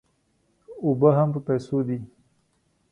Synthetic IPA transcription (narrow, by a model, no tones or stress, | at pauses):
obəɦampəpajsod̪i